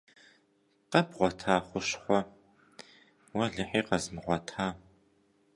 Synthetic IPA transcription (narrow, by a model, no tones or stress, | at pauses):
qɐbʁʷɔtʰaːχʷʊɕχʷɔ | wɐɮɨħiːqɐzmɨʁʷɔtʰaː